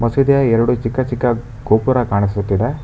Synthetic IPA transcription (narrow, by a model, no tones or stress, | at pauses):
mɐsid̪ɐjɐɛɾɐɽut͡ʃikːɐt͡ʃikːɐ | ɡ̥oːpuɾɐkaːɳisut̪ːid̪e